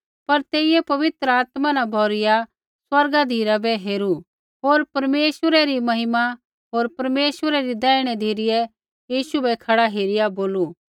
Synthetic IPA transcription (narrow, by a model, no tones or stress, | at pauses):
pɐɾt̪eːɪjɛpɐʋɪt̪ɾəaːt̪mãnãbʱɔːɾɪja | swɐɾɡad̪ʱiːɾabɛɦeːɾu | ɦoːɾpɐɾmeːʃəɾɛɾimɐɦɪma | ɦoːɾpɐɾmeːʃwəɾɛɾid̪ɛːɪɽ̃ɛd̪ʱiːɾɪjɛ | jiːʃubɛkʰɐɽaɦeːɾɪjaboːlu